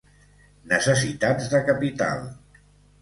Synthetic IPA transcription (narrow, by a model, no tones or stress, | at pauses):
nəsəsit̪ad͡zðəkapit̪a̰lˠ